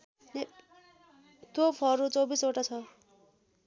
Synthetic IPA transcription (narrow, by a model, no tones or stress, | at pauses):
ne | t̪opʰʌɾut͡sʌwbisoʈat͡sʰʌ